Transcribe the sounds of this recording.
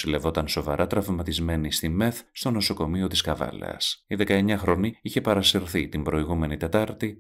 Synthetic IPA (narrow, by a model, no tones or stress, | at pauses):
sile̞vo̞t̪ɐnso̞vɐɾʔɐt̪ɾɐvmɐt̪izme̞nist̪ime̞θst̪o̞no̞so̞ko̞mio̞t̪iskɐvɐ̰lḛɐ̰siðe̞kɐe̞ɲɐxɾo̞niiçe̞pɐɾɐseɾθit̪imbɾo̞iɣume̞nit̪e̞t̪ɐɾt̪i